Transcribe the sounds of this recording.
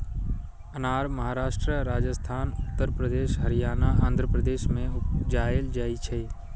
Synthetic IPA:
ənaːɾməɦaːɾaːʃʈɾəɾaːd͡ʒəst̪ʰaːnʊt̪ːəɾpɾəd̪eːʃɦəɾɪjaːnaãːnd̪ʱɾəpɾəd̪eːʃmẽʊd͡ʒaːeld͡ʒaːit͡ʃʰe

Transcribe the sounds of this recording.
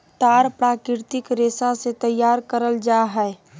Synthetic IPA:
t̪aːɾpɾaːkɾɪɾt̪ɪkɾeːsaset̪əjːaːɾkəɾəld͡ʒaɦɛː

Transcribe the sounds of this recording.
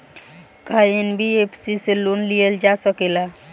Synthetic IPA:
kaenbʱiepʰsiselonlijəld͡ʒasəkela

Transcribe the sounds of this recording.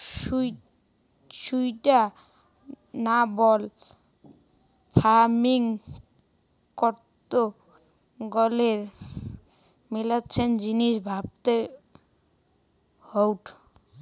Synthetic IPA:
ʃuj | ʃujʈa | nabɔl | fʰaɾmiŋ | kɔɾt̪o | ɡɔleɾ | milaːɕʰend͡ʑiniʃbʱab̚t̪e | howʈ

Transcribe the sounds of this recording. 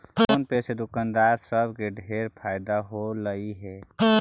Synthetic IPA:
ʊnpɛːsed̪ʊkand̪aːɾsəbkeɖʱeːɾpʰaːɪd̪aɦoləiɦɛ

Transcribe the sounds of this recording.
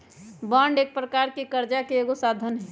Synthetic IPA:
baɳɖeːk̚pɾəkaːɾkikəɾd͡ʒakeeːɡosad̪ʱənɦɛ

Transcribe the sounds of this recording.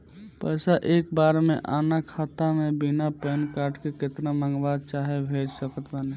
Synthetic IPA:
pəɪsaʔeːk̚baːɾmḛ̃ʔaːnakʰaːt̪amẽbinapɛːnkaːɾʈkeket̪namə̃ŋɡʋaːd̪̚t͡ʃaːɦebʱeːd͡ʒsəkət̪ban

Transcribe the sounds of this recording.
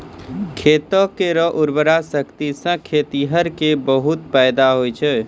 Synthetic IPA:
kʰeːt̪əkeɾəʔʊɾbəɾasəkt̪isə̃kʰeːt̪iɦəɾkebəɦut̪pɛjd̪aɦojt͡ʃʰɛː

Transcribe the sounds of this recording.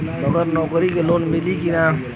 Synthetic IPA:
ɔɡəɾnɔkɾikelonmilikina

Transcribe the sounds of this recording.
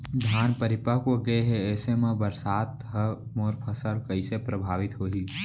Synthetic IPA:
d̪ʱaːnpəɾɪpəɦkoɡəeɦeɛːsemẽbəɾsaːt̪ɦəmoːɾpʰəsəɽkəɪsepɾəbʱaːʋɪt̪ɦoːɦiː

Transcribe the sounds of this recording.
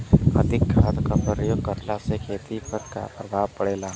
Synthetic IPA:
ɐ̰d̪ʱɪkːʰaːt̪kapɾɾəjoːɡkəɾlasekʰeːt̪ipəɾka̰pɾɐbʱaːʋpɐɽeːlaː

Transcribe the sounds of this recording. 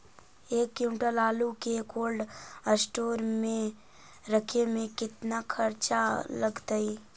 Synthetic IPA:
eːkːjuːmʈəlaːlukekoːlɖəsʈoːɾmẽ | ɾəkʰemẽkɪt̪nakʰəɾt͡ʃaləɡt̪ai

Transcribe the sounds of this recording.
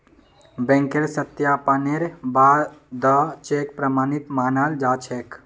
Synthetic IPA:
bẽŋkeɾsət̪japəneɾbad̪ət͡ʃek̚pɾəmaːnit̪maːnald͡ʒat͡ʃʰek

